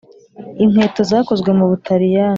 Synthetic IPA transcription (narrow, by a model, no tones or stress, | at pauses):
im̥he̞ːto̞zaːko̞zɡwemuβutʰaɾija